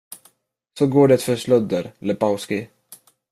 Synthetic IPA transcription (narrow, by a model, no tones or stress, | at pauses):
sɔɡoːɖɛt̪fœɾʂlœd̪əɾləpaʊskɪ